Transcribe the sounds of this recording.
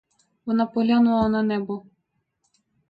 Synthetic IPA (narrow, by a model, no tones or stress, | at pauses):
vɔnapɔlʲanuananɛbɔ